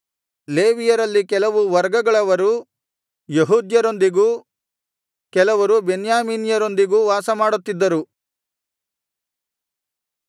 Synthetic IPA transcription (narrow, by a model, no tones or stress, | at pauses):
leːʋijɐɾɐlːikɛlɐʋuʋɐɾɡɐɡɐɭɐʋɐɾu | jeɦuːd̪jɐɾo̞nd̪iɡuː | kɛlɐʋɐɾubenjaːmiːnjɐɾo̞nd̪iɡuːʋaːsɐmaːɽut̪ːid̪ːɐɾu